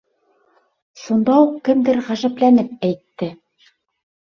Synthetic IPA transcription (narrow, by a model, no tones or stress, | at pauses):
ʃund̪ɑuqkɘmd̪ɘɾʁæʒæplænɘp̚æjt̪ːɘ